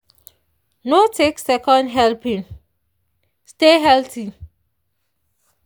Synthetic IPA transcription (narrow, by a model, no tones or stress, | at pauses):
notʰeksɛkɔ̃ndɦɛlpĩn | steɦɛltʰi